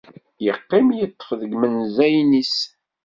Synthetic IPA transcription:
jəqːɪmjət̪ˤːə̥fðəɡmənzæjnis

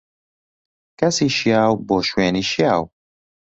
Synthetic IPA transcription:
kɛsiːʃijaːwboːʃweːniːʃijaːw

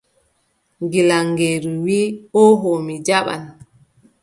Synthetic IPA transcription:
ŋɡilaŋɡeɾuwiːɔɦomid͡ʒaɓa̰n

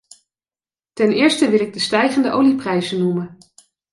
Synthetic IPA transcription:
tɛnɪːɹstəʋɪlɪɡ̚dəstɛjχəndəʔowliprɛjzənumən

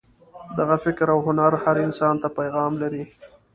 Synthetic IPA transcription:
d̪aɣafɪkɾawɦʊnaɾhaɾɪnsɑnt̪apajɣɑmlaɾi

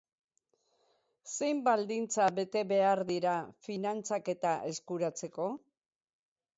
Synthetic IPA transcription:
se̞jmbald̪int͡saβe̞t̪e̞βe̞aɾðiɾafinant͡sake̞t̪aʔe̞skuɾat͡se̞ko̞

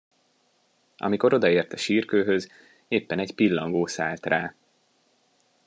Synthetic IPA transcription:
ʔɒ̰miko̞ɾo̞d̪ɒeːrt̪ɒʃiːrkøːɦøz | eːpːɛnɛɟpilːɒŋɡoːsaːlt̪raː

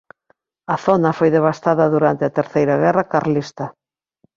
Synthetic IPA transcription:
ɐθonɐfojðeβ̞ast̪aðɐðuɾant̪eɐt̪eɾθejɾɐɣɛrɐkaɾlist̪ɐ

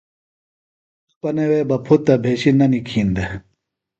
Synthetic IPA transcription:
pɐnewebɐpʰut̪ːɐbʱeːɕinɐnikʰiːnd̪e

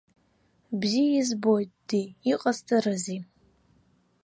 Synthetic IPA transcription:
bzijaizbo̞jtʼd̥iːqʼastʰaɾɨzi

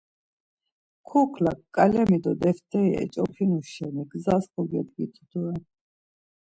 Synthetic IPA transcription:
kʰukʰlakʼːalɛmid̪ɔd̪ɛft̪ɛiɛ̰t͡ʃʼɔpʰinuʃɛniɡzaskɔɡɛd̪ɡit̪ʰd̪̥ɔɛ

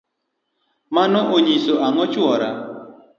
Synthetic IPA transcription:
manɔʔoɲisoʔaŋɔt͡ʃwɔɾa

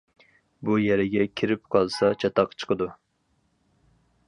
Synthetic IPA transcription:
bujɛɾɪɡʲɛkʲʰiɾɪp̚qʰɑlˠsɑt͡ʃʰɑt̪ɑqt͡ʃʰə̥qʰəd̪u

